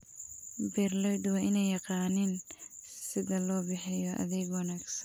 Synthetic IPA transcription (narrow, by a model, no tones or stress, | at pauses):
bɛrlɛjd̪ʊwɐʔɪnɛjɑqɑːnɪnsɪðɐlɔːbɪħɪjɔʔɐ̰ðɛːɡwɑnaːɡsɐn